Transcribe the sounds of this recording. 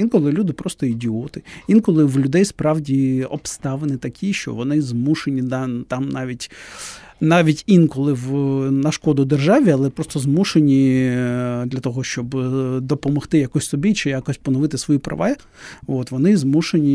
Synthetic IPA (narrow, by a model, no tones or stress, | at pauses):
inkɔlˠɪlʲud̪ɪpɾɔst̪ɔidʲiɔt̪ɪinkɔlˠɪʋlʲʊd̪ɛjspɾɑwdʲiɔbst̪ɑʋenɪt̪ɐkʲʰiʃt͡ʃɔ̰ʋɔnɪzmuʃenʲid̪t̪ɑmnɑʋʲitʲ | nɑʋʲitʲinkɔlˠɪʋnɐʃkɔd̪ʊd̪erʒɑʋʲiɐlˠɛpɾɔst̪ɔzmuʃenʲi | d̪lʲɐt̪ɔɦɔʃt͡ʃɔbd̪ɔpɔmɔxt̪ɪjɐkɔsʲsɔbʲit͡ʃɪjakɔsʲpɔnɔʋɪt̪ɪsʋɔjipɾɐ̰ʋa | ʋot̪ʋɔnɪzmuʃenʲi